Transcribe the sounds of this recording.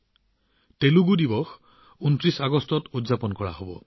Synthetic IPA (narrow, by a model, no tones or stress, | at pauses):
teluɡudibɔx | untɹisaɡɔstɔtudzapɔnkɔɹa̰ɦobɔ̰